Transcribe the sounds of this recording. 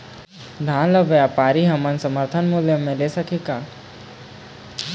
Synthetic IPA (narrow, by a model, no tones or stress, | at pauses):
d̪ʱãːləʋeapaːɾiɦɐmənsɐməɾt̪ʰənmʊljəmẽleːsɐkʰekaː